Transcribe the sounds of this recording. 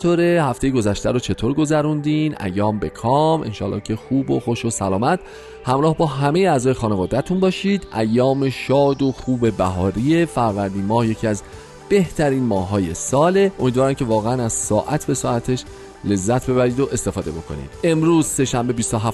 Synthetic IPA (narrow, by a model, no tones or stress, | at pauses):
t̪ʰoːɾe̞hæft̪e̞jeɡo̞zæʃt̪æɾot͡ʃʰe̞t̪ʰoːɾɡo̞zæɾund̪inʔæ̰jːɒːmbe̞kʰɒːme̞̰nʃɒ̰ːlɒ̰ːhcʰe̞xuːboxo̞ʃosælɒːmæt̪ʰ | hæmɾɒːhbɒːɦæme̞jeæːzɒːje̞xɒːnevod̪æt̪ʰunbɒːʃiːd̪ʔæjːɒːme̞ʃɒːd̪o̞xuːbe̞bæɦɒːɾiefæɾvæɾd̪iːnmɒːhje̞cʰiæz | b̥e̞ht̪ʰæɾiːnmɒːhːɒːje̞sɒːle̞omid̪vɒːɾæmcʰe̞vɒːɣeænæz̥sɒːʔæt̪ʰbe̞sɒːæt̪ʰe̞ʃ | le̞zːæt̪ʰbe̞βæɾiːd̪o̞ʔe̞st̪e̞fɒːd̪e̞bo̞kʰo̞̰nḭːd̪̥e̞mɾuːzse̞ʃæmbe̞biːst̪oɦæ